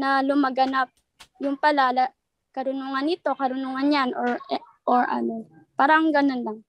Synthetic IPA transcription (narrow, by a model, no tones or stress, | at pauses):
nɐlʊmaɡɐnap̚ | jʊŋpɐlalɐ | kɐɾʊnuŋɐnɪt̪o̞kɐɾʊnuŋɐnjanʔoɹ | ʔoɹʔɐ̰no̞ | paːɾɐŋɡɐno̞nlaŋ